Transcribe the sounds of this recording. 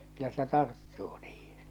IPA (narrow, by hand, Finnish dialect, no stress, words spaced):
kylːæ se tɑrtːuː niːhi̥n̥